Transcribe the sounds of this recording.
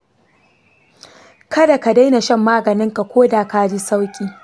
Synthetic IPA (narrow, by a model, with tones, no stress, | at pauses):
kʰɐ˦da˨ka˨da˦jna˨ʃɐ˦mːaː˦ɡɐ˨nɪ˦ŋka˨kʷoː˦daː˨kaː˦d͡ʒi˦sa˦wkʲʼiː˨